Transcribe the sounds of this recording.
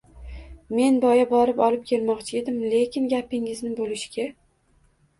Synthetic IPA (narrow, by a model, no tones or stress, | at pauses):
me̞nbɒjabɒɾɪpɒlɪp̚kʲʰe̞lmɒqt͡ʃʰɪed̪ɪmle̞kʲʰɪnɡʲapɪŋɪznɪbolɪʃkʲa